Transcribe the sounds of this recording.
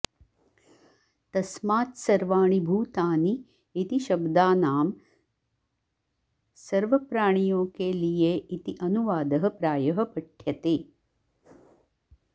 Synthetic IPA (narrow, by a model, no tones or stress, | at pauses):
t̪ɐsmaːt̪sɐɾʋaːɳ̃ibʱuːt̪aːniː | t̪iʃɐbd̪aːnaːm | sɐɾʋɐpɾaːɳ̃ijoːkelijeːʔit̪iʔɐnuʋaːd̪ɐɦɐpɾaːjɐɦɐ̆pɐʈʰjɐt̪eː